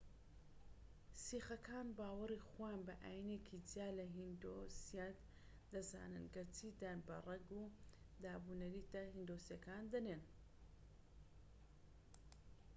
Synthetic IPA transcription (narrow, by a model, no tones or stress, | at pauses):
siːxɐkʰaːnbaːwɐrixojaːnbɐʔaːjineːkʰidjaːlɐɦind̪osijat̪ | d̪ɐza̰ːnɨ̰nɡɐɾt̪ʰid̪aːnbɐ̰rˤɐɡu | d̪aːbunɐɾiːt̪ɐhind̪osjɐkaːnd̪ɐneːn